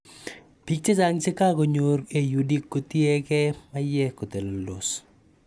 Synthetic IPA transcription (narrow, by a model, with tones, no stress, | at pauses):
pi˨k̚t͡ʃe˦d͡ʒa˦ŋt͡ʃe˦ka˦ko˨ɲo˨ɾke˨ju˨di˦kːo˨t̪i˦ɛ˦kɛ˦ma˦jɛ˦ko˨t̪e˨lo˨lo̰˨s